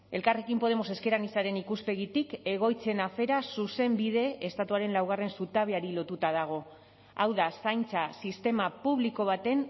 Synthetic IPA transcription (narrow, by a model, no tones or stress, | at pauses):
e̞lkare̞kimpo̞ð̞e̞mo̞se̞ske̞ɾanisaɾe̞nikuspe̞ɣ̞it̪ike̞ɣ̞o̞jt͡se̞nafe̞ɾasuse̞mbiðe̞ʔest̪at̪uaɾe̞nlawɣ̞are̞nsut̪aβeaɾilo̞t̪ut̪að̞aɣ̞o̞ | awðasajnt͡sasist̪e̞mapuβliko̞β̞at̪e̞n